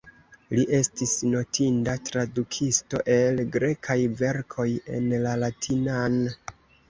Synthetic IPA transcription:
liʔe̞stisno̞tʰindatɾadukʰisto̞ʔe̞lɡɾe̞kʰajve̞ɾkʰo̞je̞nlalatʰinan

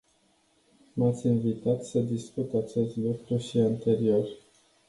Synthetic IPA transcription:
mat̪sʲinvit̪at̪səd̪iskut̪at͡ʃe̞st̪lukɾuʃiant̪e̞ɾio̞r

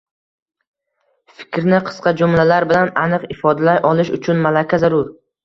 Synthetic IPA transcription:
fɪ̥kʲɾnɪqʰɨ̥sqɑd͡ʒʊmlalaɾbɪlananɨqɪfɒd̪alajʔɒlˠɪʃʊt͡ʃʰʊnmalakʲʰazaɾʊɾ

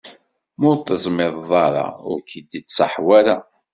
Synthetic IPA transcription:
mʊɾθəzˤmɪðˤðˤɑɾˤɑ̰ʊ̰ɾkəd̪it͡sːɑħwaæɾæ

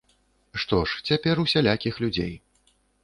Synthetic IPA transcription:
ʂt̪ɔʂt͡sʲapʲɛrusʲalʲakʲixlʲud͡zʲḛj

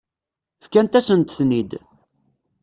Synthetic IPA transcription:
fkænt̪æsənt̪θnid̪

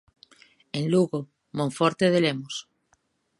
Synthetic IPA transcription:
ẽnluɣo | mõɱfoɾt̪eð̞elemos

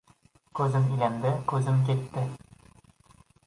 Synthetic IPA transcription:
kʉzɘmilænd̪ɘkʉzɘmk̬it̪ːɘ

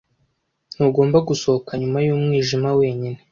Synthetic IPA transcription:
nuːɡo̞ːmbaɡuso̞hokaɲumajuːmŋiːʒimawe̞ːɲine

